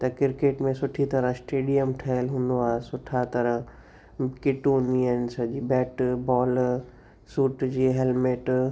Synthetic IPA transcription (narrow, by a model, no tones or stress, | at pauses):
t̪ɐkɪɾkeːʈmẽsʊʈʰit̪ɐɾə̃sʈeːɖijəmʈʰɐɦəlɦũːnd̪oaːesʊʈʰat̪ɐɾəɦ | kɪʈoniənsɐd͡ʑibɛːʈbɔːl | suːʈd͡ʑiːɦelmeːʈ